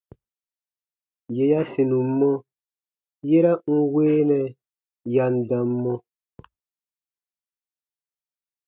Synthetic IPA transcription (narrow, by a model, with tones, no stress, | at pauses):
je˨ja˦si˨nũ˨m˦mːɔ̃˦ | je˦ɾa˦ŋ̩˦weː˦nɛ˨ | ja˨n̩˨dã˨mːɔ̃˦